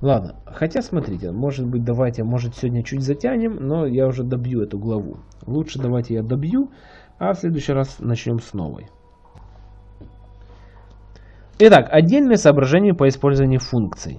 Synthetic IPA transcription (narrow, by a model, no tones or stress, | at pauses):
lˠad̪nə̰ | xɐtʲasmɐt̪ɾʲitʲɪ̰mo̞ʐɨt̪̚bɨt̚ʲd̪ɐvajtʲɪmo̞ʐɨt̪sʲɪvodʲnʲət͡ɕutʲzɐtʲænʲɪmno̞jaʊʐɛd̪ɐbjuɛt̪ʊɡlˠɐvṵ | lˠutʂɨd̪ɐvajtʲɪjad̪ɐbju | ɐfsʲlʲe̞d̪ʊjɕːɪjɾasnɐt͡ɕnʲo̞msno̰və̰j | ɪt̪akʰɐdʲːelʲnəjəsəːbɾɐʐɛnʲɪjəpəɪspo̞lʲzəvənʲɪjʊfunkt̪sɨ̰j̰